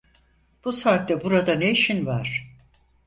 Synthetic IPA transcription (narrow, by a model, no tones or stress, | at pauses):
b̥usaːt̪ːɛbuɾad̪aneiʃinvaɾ̥